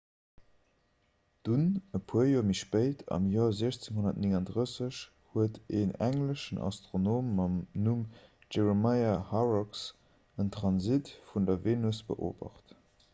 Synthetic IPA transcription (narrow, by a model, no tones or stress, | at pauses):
d̥unəpʰuəjoːmiʃpəɪtʰɑ̰mjoːɐziəɕt͡seŋɦonɐtnɪŋɑndʁəsəɕ | huətʰeːnæŋləʃənʔɑ̰stʁonoːmːɑmnum | d͡ʒeʁemɑɪahɑʁɔks | əntχɑnzitfundɐveːnusb̥ə̰ʔo̰ːbɐ̰χt